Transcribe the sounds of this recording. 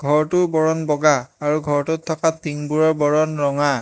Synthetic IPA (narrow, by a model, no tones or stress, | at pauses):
ɡʱɔɹtʊbɔɹɔnbɔɡaːɹuɡʱɔɹtʊtʰːɔkatiŋbuɹɔɹbɔɹɔnɹɔŋa